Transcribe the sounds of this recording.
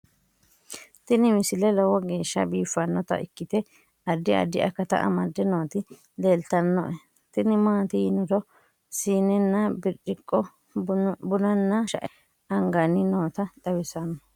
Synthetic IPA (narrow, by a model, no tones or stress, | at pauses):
t̪ɪnɪmɪsɪlɛlɔwɔɡe̞ːʃːɐbiːfːɐnːɔt̪ɐ̰ʔɪkːɪt̪ɛ | ɐd̪ːɪɐ̰d̪ːɪɐ̰kːɐt̪ɐ̰ʔɐ̰mɐd̪ːɛno̞ːt̪ɪ | leːlt̪ɐnːɔʔɛ | t̪ɪnɪmaːt̪ɪjɪnɔd̪ɔ | siːnːɛnːɐbɪɾt͡ʃːɪkʼːɔ | bʊnɐnːɐʃɐ̰ʔɛ | ɐŋɡɐnːɪno̞ːt̪ɐd̪ʼɐwɪsɐnɔ